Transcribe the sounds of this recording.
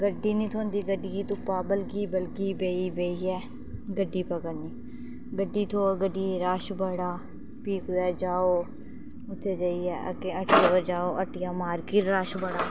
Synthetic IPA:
ɡəɖːiːnĩːt̪ʰoːnd̪iːɡəɖiːit̪ʊpːaːbəlɡiːbəlɡiːbeːiːbeːiːɛː | ɡəɖːiːpəɡəɾniː | ɡəɖːiːt̪ʰoːɡəɖːiːɾaːʃbəɽaː | piːkd̪ɛːd͡ʒaːoː | ʊt̪ʰːeːd͡ʒaːiːɛːə̰keəʈʰɪjaːəd͡ʒaːoːʔəʈʰɪjãːmaːɾkiːʈɾaːʃbəɽaː

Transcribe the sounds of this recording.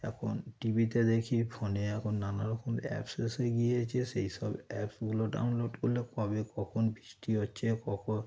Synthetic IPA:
ɛ̰kʰonʈibit̪ed̪ekʰipʰɔneɛkʰonːanaɾɔkomɛ̰pseseɡiet͡ʃʰesejsɔbɛpsɡuloɖa̰wnloɖkolːepabekɔkʰonbiʃʈiot͡ʃʰekɔkʰon

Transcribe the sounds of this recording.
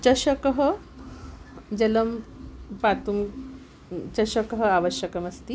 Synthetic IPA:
t͡ɕɐɕəkəɦə | d͡ʑələmpat̪um | t͡ɕɐɕəkəɦəaʋəɕjəkɐmɐst̪i

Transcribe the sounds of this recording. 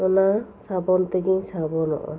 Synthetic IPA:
ɔnasabɔnt̪eɡiŋsabɔnɔ̰ʔɔ̰

